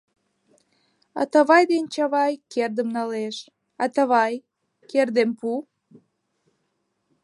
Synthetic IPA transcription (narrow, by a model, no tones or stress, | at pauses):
ɑ̰t̪ɑβɑjd̪ent͡ɕɑβɑjkerd̪əmnɑleʃ | ɑt̪əβɑj | kerd̪empu